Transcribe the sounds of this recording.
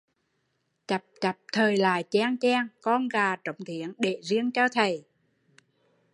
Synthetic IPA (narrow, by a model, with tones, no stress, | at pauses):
t͡ɕa˨˩p̚t͡ɕa˨˩p̚t̪ʰəː˨˩jla̰ː˧˩jt͡ɕɛ˧ŋt͡ɕɛ˧ŋkɔ˧nɣaː˨˩t͡ɕə˨˦wŋ͡mt̪ʰi˨˦ənɗe˧˩zi˧əŋt͡ɕɔ˧t̪ʰə˨˩j